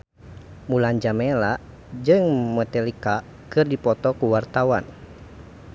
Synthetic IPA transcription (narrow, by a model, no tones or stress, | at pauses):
muland͡ʒamɛlaʔ | d͡ʒɨŋmɔt̪ɛlika | kɨrdipɔt̪ɔkuwart̪awa̰n